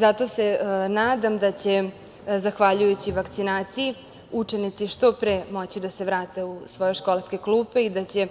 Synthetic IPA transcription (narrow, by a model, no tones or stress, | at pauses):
zat̪ose̞naːd̪amd̪at͡ɕe̞ | zaxʋaʎujut͡ɕiʋakt̪sinaːt̪siji | ut͡ʃenit̪siʃt̪o̞pɾemo̞t͡ɕid̪ase̞ʋɾaːt̪e̞usʋo̞je̞ʃko̞lˠske̞kluːpeid̪at͡ɕe̞